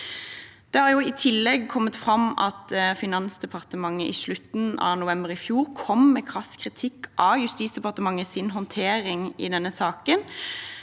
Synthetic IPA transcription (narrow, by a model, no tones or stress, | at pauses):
d̪̥ɛhɑɾjʊɪt̪ʰɪlːɛɡkʰɔmːət̪fʁɑmɑ̰t̪fɪnɑnsd̪ɛpʰɑʁt̪əmɑŋːəʔɪʂlʉt̪n̩ɑ̰ʋnʊʋɛmbəʁɪfjuːʁkʰɔmmɛkʰʁɑskʰʁɪt̪ʰɪkːʔɑjʉst̪iːtsd̪ɛpɑʁt̪əmɑŋːəsɪnɦɔnt̪ʰeːʁɪŋɪ̰d̪ɛnːəsɑːkən